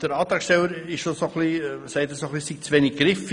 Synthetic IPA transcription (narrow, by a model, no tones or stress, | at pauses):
d̥əɾɑːt̪ɑːkʃtɛləɾɪʃʃosoχlisæɪtəsoχlisik̚t͡sʋeːnɪɡ̚ɡɾɪf